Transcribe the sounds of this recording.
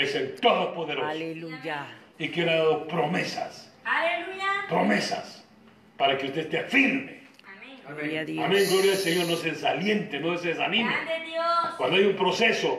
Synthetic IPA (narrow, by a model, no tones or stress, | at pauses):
esent̪oðospo̞ðeɾos | ikelaðaðopɾo̞mesa̰s | aeluapɾo̞mesa̰s | paɾakeust̪e̞st̪eafiɾme | amẽŋɡlo̞ɾjaseɲo̞ɾnos̬eðesaljent̪enoeseðesanĩmeokwand̪oajumpɾo̞seso